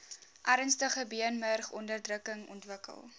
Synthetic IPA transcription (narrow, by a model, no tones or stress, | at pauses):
ʔæɾənstəχəbiənmərχɔndərdrəkəŋɔ̰ntvəkə̰lˠ